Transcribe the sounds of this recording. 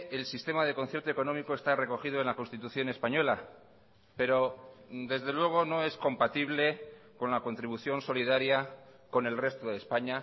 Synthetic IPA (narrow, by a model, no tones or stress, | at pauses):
elsist̪e̞maðe̞ko̞nθeɾt̪oeko̞no̞miko̞e̞st̪are̞ko̞xiðo̞e̞nlakonst̪it̪uθjo̞ne̞spaɲo̞la | pe̞ɾo̞d̪e̞zðe̞lwe̞ɣ̞o̞no̞e̞sko̞mpat̪iβ̞le̞ | ko̞nlako̞nt̪ɾiβuθjo̞nso̞liðaɾjako̞ne̞lre̞st̪oðe̞ːspaɲa